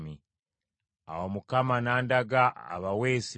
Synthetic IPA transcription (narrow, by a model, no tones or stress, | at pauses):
mi | a̰womukamanaːndaɡaa̰βaweːsi